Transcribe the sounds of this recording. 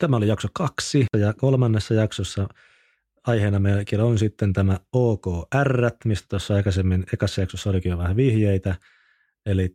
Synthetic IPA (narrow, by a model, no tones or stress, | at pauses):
t̪æmæolijɑksokɑksiɑjɑkolmɑnːesːɑjɑksosːɑ | ɑjheːnɑmelkilonsit̪ːent̪æmæoːkoːærːæt̪mist̪æ̥t̪osːɑɑikɑsemːinekɑsːɑjɑksosːɑolikijoʋæhæʋihjeit̪æ | eli